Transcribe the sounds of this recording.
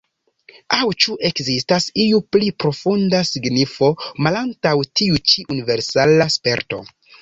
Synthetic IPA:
awt͡ʃuʔe̞kzistasiuplipɾo̞fundasiɡnifo̞malantawtiut͡ʃiʔunive̞ɾsalaspe̞̰ɾto̞̰

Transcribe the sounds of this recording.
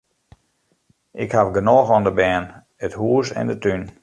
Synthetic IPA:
ʔɪkhafɡənoːxɔndəbɛːn | əthuəsɛ̰ndətyn

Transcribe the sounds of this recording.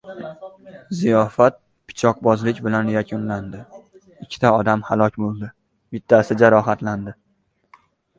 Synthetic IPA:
zijɒfat̪̚ | pʰɪ̥t͡ʃʰɒq̚bɒzlɪkʲbɪlanjakʲʰʊnland̪ɪ | ɪkʲʰːɪ̥t̪ʰaɒd̪amhalˠɒkʲbolˠd̪ɪ | b̥ɪt̪ʰːasɪd͡ʒaɾɒɦat̪land̪ɪ

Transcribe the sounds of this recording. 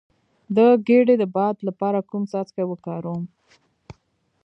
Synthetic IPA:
d̪əɡeɽed̪əbɑd̪lapɑɾakumsɑt͡skawəkɑɾom

